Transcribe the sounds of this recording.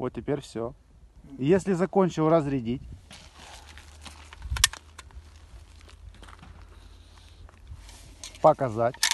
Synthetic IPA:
vot̪tʲːɪpʲeɾʲfsʲo | jesʲlʲɪzɐkonʲt͡ɕɪlˠɾəzɾʲɪdʲitʲ | pəkɐzatʲ

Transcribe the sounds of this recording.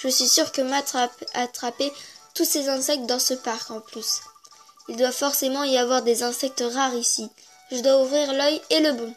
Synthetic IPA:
ʒəsɥisyʁkəmat̪χapet̪usezɛ̃sɛk̚t̪̚d̪ɑ̃səpaʁkɑ̃plys | ild̪wavfɔʁsemɑ̃iavwaʁd̪ezɛ̃sɛk̚t̪ʁaʁisi | ʒəd̪waufʁiʁlœjeləbɔ̃

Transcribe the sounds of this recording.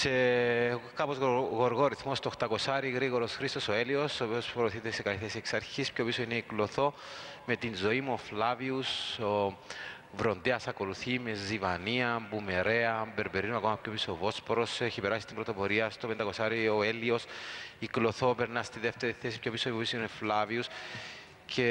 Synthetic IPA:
se | kapozɣɣo̞ɾɣoɾiθmost̪oxt̪ɐko̞saɾiɣɾiɣo̞ɾosxɾist̪o̞soe̞lio̞sopiospɾoθit̪e̞se̞kaliθesieksɐɾçispço̞pisoineikloθo̞me̞t̪inzo̞imuoflaviuso | vɾo̞nd̪eɐsɐko̞luθimezivɐniɐmbume̞ɾe̞ɐmbe̞ɾbeɾinuɐko̞mɐpço̞pisoovo̞spoɾo̞seçipeɾasist̪imbɾot̪opo̞ɾiɐst̪ope̞nd̪ɐko̞saɾioe̞lio̞siklo̞θo̞pe̞ɾnɐst̪iðeft̪e̞ɾiθe̞sipço̞pisopopisineflavius | cʰe

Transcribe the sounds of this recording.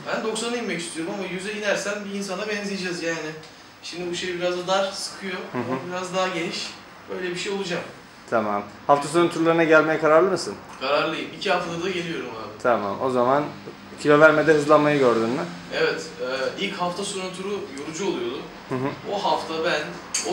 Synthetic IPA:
bænd̪o̞ksanɯjimɛcist̪ʰyjoɾumamajyzɛjinæɾsænbiːns̬anabɛnzʲijed͡ʒɛzjaːnɪ | ʃimd̪ibuʃejbiɾazd̪ad̪asɯ̥kʰɯjo̞hɯ̃ɦbiɾazd̪aɦaɟe̞niʃ | ø̞jlʲɛbiʃejo̞lˠud͡ʒam | t̪ʰamamhaft̪ʰasoɾunt̪ʰuɾlˠaɾɯnaɟælʲmejɛkʰaɾaɾlˠɯmɯsɯn | kʰaɾaɾlˠɯjɯmicʰihaft̪lˠaɾd̪aɟelʲijo̞ɾuma̰ːbit̪ʰama̰mo̞zaman | cʰilʲo̞væɾmɛd̪ɛɦɯzlˠamajɯɟøɾd̪ynmy | evɛt̪ɛilʲchaft̪ʰasoɾunt̪ʰuɾujoɾud͡ʒuolˠujo̞d̪ʊm | hɯ̃ɦoɦaft̪ʰabæn | o

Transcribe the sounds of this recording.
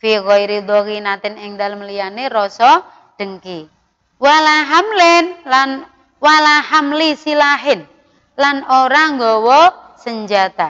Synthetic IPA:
fikɔiɾid̪ɔkinat̪ɪnɪŋd̪a̤ləmlijaneɾɔsɔ | ɖ̥əŋki | walaɦamlɪnlan | walahamlisilaɦɪn | lanoɾaŋɡɔwɔ | səɲd͡ʒat̪a

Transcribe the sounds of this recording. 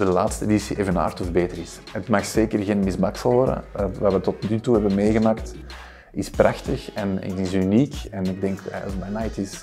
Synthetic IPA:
dəlaːtstəedisiʔeːvəna̰ːrtɔfbeːtəɾɪs | ətmaxseːkərɣeːnmɪzbaksəlˠʋɔrɾdə̰ʋaːʋətɔtnytuɦɛbənmeːɣəmaːkt | ɪsprʔaxtəxɛnɪ̰tɪsyniːkɛnɪɡ̚dɛŋkɛ̰zmajnajtɪs

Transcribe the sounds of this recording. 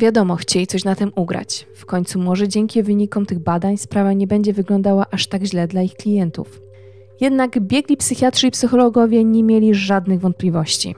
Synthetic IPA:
vʲjad̪ɔmɔxt͡ɕelʲit̪ɔɕnat̪ɘmuɡɾa̰t͡ɕfkɔɲʲt̪sumɔʐɛd͡ʑɛŋkʲivɘɲikɔmt̪ɘɣbad̪aɲspɾavaɲɛbɛɲd͡ʑɛvɘɡlɔnd̪awaʔaʂt̪aɡʑlɛd̪laixklʲijɛnt̪ṵf | jɛd̪naɡbʲjɛɡlʲipsɘxʲjatʂɘipsɘxɔlɔɡɔvʲjɛɲɛmʲjɛlʲiʐad̪nɘɣvɔnt̪̚pʲlʲivɔɕt͡ɕḭ

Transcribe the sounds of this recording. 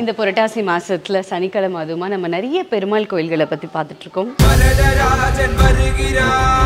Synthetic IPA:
ɪnd̪ɐpɔɾɐʈːaːsimaːsɾɐt̪ːɪlɐsɐnɪkːɐɭɐmaːðɯʋɯmaːnɐmːɐnɛɾɐjɐpɛɾɯmaːlkoːjɪlɣɐɭɛpːɐt̪ːipaːɾt̪ɯʈːɾɯkːʊmʋɐɾɐɽɐɾaːɦɐd͡ʒɐnʋɐɾɯɣɪɾaː

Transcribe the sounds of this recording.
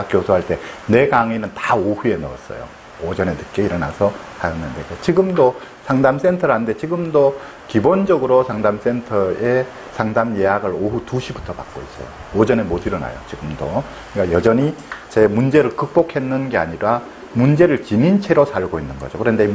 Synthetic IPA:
k͈josʰoɦaɭt͈e̞ne̞ɡaŋinɯntaohue̞nʌ̰ʌ̰s͈ʌ̰jo̰ | od͡ʑʌne̞tɯk͈e̞iɾʌna̰sʰʌsʰajʌnːɯndeket͡ɕiɡɯmdosʰaŋdams͈e̞ntʰʌɾɦande̞t͡ɕiɡɯmdo | kibond͡ʑʌɡɯɾosʰaŋdams͈e̞ntʰʌe̞ | sʰaŋdamje̞jaɡɯɾoɦutuɕʰibutʰʌpa̰k͈ois͈ʌjo̰ | od͡ʑʌne̞mwotɯɾʌna̰jo̰t͡ɕiɡɯmdo | ik͈ajʌd͡ʑʌɲit͡ɕe̞mund͡ʑe̞ɾɯɭkɯk̚p͈okʰe̞nːɯnɡe̞a̰ɲiɾa | mund͡ʑe̞ɾɯɭt͡ɕinint͡ɕʰe̞ɾosʰaɭɡoinːɯnɡʌd͡ʑokɯɾʌndei

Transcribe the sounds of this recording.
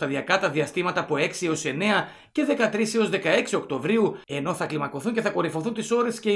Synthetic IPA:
t̪ɐðiɐkɐt̪ɐðiɐst̪imɐt̪ɐːpo̞e̞ksio̞se̞ne̞ɐ | ce̞ðe̞kɐt̪ɾisio̞zðe̞kɐe̞ksio̞kt̪o̞vɾiue̞no̞θɐklimɐko̞θunce̞θɐko̞ɾifo̞θunt̪iso̞ɾe̞sce̞

